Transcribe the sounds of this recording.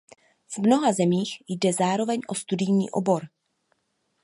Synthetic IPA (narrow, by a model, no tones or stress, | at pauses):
vmno̞ɦazɛmiːxjdɛzaːɾo̞vɛɲʔo̞st̪udɪjɲḭːʔo̞̰bo̞ɾ